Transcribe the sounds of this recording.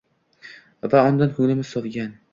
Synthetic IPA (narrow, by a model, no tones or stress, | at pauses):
vaɒnd̪anhʊŋlɪmɪzsɒvɡʲan